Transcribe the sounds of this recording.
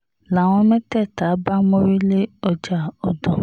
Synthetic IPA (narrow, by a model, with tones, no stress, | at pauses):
la˨w̃ɔ̃˧mɛ̃˦tɛ˦˨ta˨˦ba˦mõ˦ɾi˦le˦ɔ˨d͡ʒa˨ɔ˨dɔ̃˨